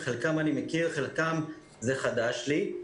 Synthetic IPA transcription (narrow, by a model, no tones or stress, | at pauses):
χelkamanimekiʁχelkam | zeχad̪aʃli